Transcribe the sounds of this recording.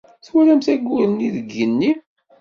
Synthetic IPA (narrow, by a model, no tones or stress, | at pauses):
θwælæmθæɡʷːʊɾəniðəɡːənːi